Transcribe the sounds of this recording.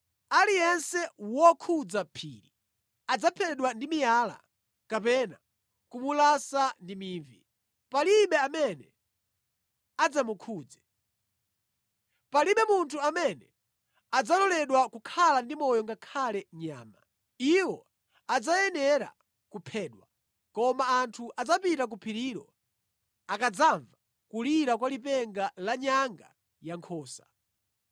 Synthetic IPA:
alijɛnsɛwɔkʰud͡zapʰḭːɾi | ad͡zapʰɛɗwandimijala̰ | kapɛna | kumulasandimiːɱvi | paliɓɛamɛnɛ | ad͡zamukʰuːd͡zɛ | paliɓɛmuntʰuamɛnɛ | ad͡zalɔlɛɗwakukʰalandimɔjɔŋɡakʰalɛɲa̰ːma | iwɔ | ad͡zajɛnɛɾa̰ | kupʰɛːɗwa | kɔmaːntʰuʔad͡zapitak̬upʰiɾiːɾɔ | akad͡zaɱva | kuliɾakwalipɛŋɡalaɲaŋɡa̰ | jaŋkʰɔːsḁ

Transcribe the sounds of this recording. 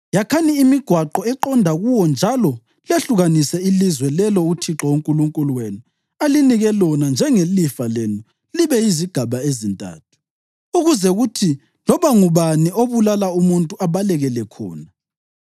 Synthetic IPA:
jakʰaniːmiɡ̥ʱwaǃɔɛǃɔndʱaɣuwɔnd͡ʒʱalɔ | leɬuɣanisɛilizwɛlɛlɔutʰiǁɔoŋkʼuluŋkʼuluwenu | aliniɣɛlɔnand͡ʒʱɛŋelifalenu | liβɛiziɡ̥ʱaβaezintʼa̰ːtʰu̥ | uɣuzɛɣutʰi | lɔβaŋuβanioβulalaumuntʼuaβalɛɣɛlɛkʰɔ̰ːna

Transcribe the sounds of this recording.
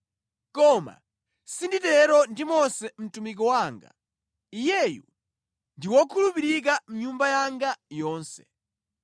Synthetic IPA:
kɔma̰ | sinditɛɾɔndimɔsɛm̩tumik̬ɔwaːŋɡa̰ | ijɛjṵ | ndiwɔkʰulupiɾik̬am̩ɲumbajaŋɡajɔːnsɛ̥̰

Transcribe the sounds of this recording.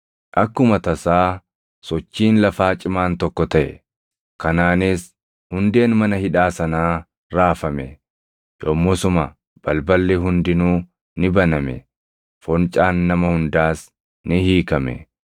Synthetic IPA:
ʔɐkːʊmɐt̪ɐsaː | sɔt͡ʃːiːnlɐfaːt͡ʃʼɪmaːnt̪ɔkːɔt̪ɐʔɛ̰ | kɐnaːnɪs | hʊnd̪e̞ːnmɐnɐhɪᶑaːsɐnaː | ɾaːfɐmɛ̰ | joːmːɔsʊma | b̥ɐlbɐlːɛɦʊnd̪ɪnuː | nɪbɐnɐmɛ̰ | fɔnt͡ʃʼaːnːɐmɐhʊnd̪aːs | nɪhiːkɐmɛ̰

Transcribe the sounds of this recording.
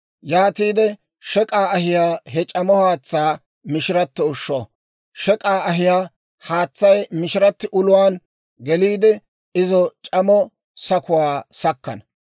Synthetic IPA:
jaːt̪iːd̪ɛ | ʃɛkʼaːɐhɪjaːɦɛt͡ʃʼɐmɔhaːt͡sːaː | mɪʃɪɾɐt̪ːɪʊʃːɔ | ʃɛkʼaːɐɦɪjaː | haːt͡sːɐjmɪʃɪɾɐt̪ːɪʔʊlʊwaːn | ɡɛliːd̪ɛ | ɪzɔt͡ʃʼɐmɔ | sɐkʊwaːsɐkːɐ̰nɐ

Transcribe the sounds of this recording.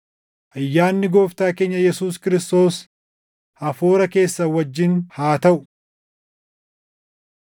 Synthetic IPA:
ʔɐjːaːnːɪɡo̞ːft̪aːke̞ːɲːɐjɛsuːskɪɾɪst̪o̞ːs | hɐfoːɾɐke̞ːsːɐwɐd͡ʒːɪnhaːt̪ɐʔʊ

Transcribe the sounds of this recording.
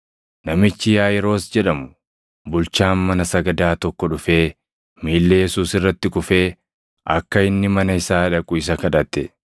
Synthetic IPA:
nɐmɪt͡ʃːɪjaːjɛɾo̞ːsd͡ʒɛᶑɐmʊ | bʊlt͡ʃaːnmɐnɐsɐɡɐd̪aːt̪ɔkːɔᶑʊfe̞ː | miːlːejɛsuːsɪrːɐt̪ːɪkʊfe̞ː | ɐkːɐɪnːɪmɐnɐɪsaːᶑɐkʼʊɪs̬ɐkɐᶑɐt̪ːɛ

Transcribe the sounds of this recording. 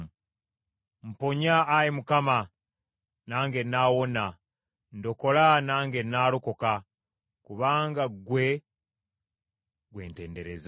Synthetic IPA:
m̩poɲaːjemukama | naːŋɡenaːwo̞na | ndo̞ko̞lanaːŋɡenːaːloko̞ka | kuβaːŋɡaɡwe̞ | ɡwe̞̰ːnte̞̰ːndeɾez

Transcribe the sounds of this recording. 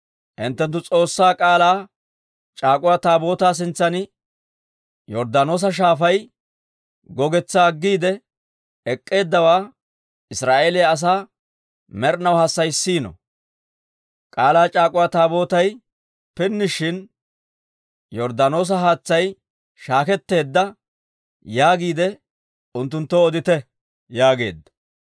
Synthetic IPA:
ʔɪnt̪ːɛnt̪̬ːʊt͡sʼo̞ːsːaːkʼaːlaː | t͡ʃʼaːkʼʊwaːt̪aːbo̞ːt̪aːs̬ɪnt͡sːɐnɪ | jɔɾd̪ano̞ːs̬ɐʃ̬aːfɐj | ɡɔɡɛt͡sːaːɡːiːd̪ɛ | ɛkʼːe̞ːd̪ːɐwaː | ʔɪsɾaːʔeːlɛjs̬aː | mɛɾnɐwhɐsːɐjsiːnɔ̰ | kʼaːlaːt͡ʃʼaːkʼʊwat̪aːbo̞ːt̪ɐj | pɪnːɪʃɪn | jɔɾd̪ano̞ːs̬ɐɦaːt͡sːɐj | ʃaːkɛt̪ːe̞ːd̪ːɐ | jaːɡiːd̪ɛ | ʊnt̪ːʊnt̪ːoɔd̪ɪt̪ɛ | jaːɡe̞̰ːd̪ːɐ̥

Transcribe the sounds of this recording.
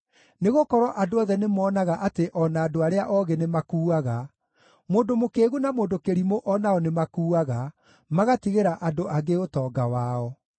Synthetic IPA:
neɣokɔɾwɔʔadoɔðɛnemɔːnaɣaʔateʔɔnaːdoaɾeaʔɔɣenemakuːaɣa | moːndomokeːɣunamoːndokeɾimoʔɔnaɔnemakuːaɣa | maɣatiɣeɾaʔadoʔaɣeotɔːɡawaɔ

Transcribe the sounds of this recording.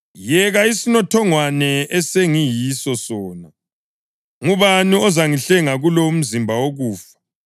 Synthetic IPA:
jɛɣaisinɔtʰɔŋwanɛɛseŋijisɔsɔːna | ŋuβaniɔzaŋiɬɛŋaɣuloum̩zimbʱawoɣuːfḁ

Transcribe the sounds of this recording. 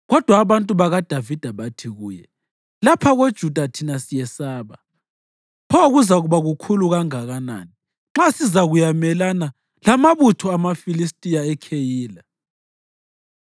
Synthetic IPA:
ɣɔd̥ʱwaːβantʼuβaɣad̥ʱavid̥ʱaβatʰiɣuːjɛ̰ | lapʰaɣod̥ʒ̥ʱud̥ʱatʰinasijɛsaːβa | pʰɔɣuzaɣuβaɣukʰuluɣaŋaɣana̰ni | ŋ͡ǁasizaɣujamɛlana | lamaβutʰɔamafilistʼijaɛkʰejiːla

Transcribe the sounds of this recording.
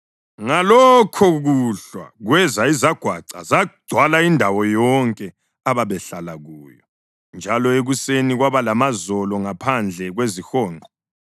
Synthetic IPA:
ŋalɔkʰɔɣuɬwa̰ɣwɛzaizaɡ̥ʱwaǀa̰zad̥ʱwalaindʱawɔjɔŋkʼɛ | aβaβɛɬalaɣuːjɔ | nd͡ʒʱalɔeɣuseniɣwaβalamazɔlɔŋapʰand͡ɮʱɛɣwezixɔːnǃʱɔ

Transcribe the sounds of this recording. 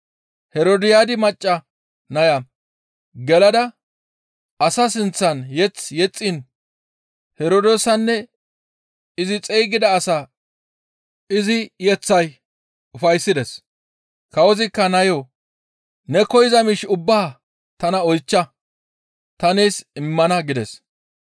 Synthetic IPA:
hɛɾod̪ɪjaːd̪ɪmɐt͡ʃʼːɐ | nɐjɐ | ɡɛlɐd̪ɐ | ʔɐsɐsɪnt͡sːɐnjɛt͡sjɛt͡sʼːɪn | hɛɾod̪o̞ːsɐnːɛ | ɪzɪt͡sʼɛjɡɪd̪ɐːsa | ɪzɪjɛt͡sːɐj | ʊfɐjsːɪd̪ɛs | kɐɔzɪkːɐnɐjo | nɛkɔjɪzɐmiʃʊbːaː | t̪ɐnɐɔjt͡ʃːɐ | t̪ɐneːsɪmːɐnɐɡɪd̪ɛs

